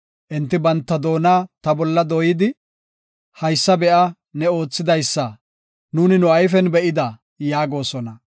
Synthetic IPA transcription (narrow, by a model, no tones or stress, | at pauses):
ʔɪnt̪ːɪbɐnt̪ːɐd̪o̞ːnaːt̪ɐbɔlːɐd̪ojɪd̪ɪ | hɐjsːɐbɛʔɐ | nɛo̞ːt͡sːɪd̪ɐjsːɐ | nuːnɪnʊɐjfɛnbɛʔɪd̪ɐ | jaːɡo̞ːsɔnɐ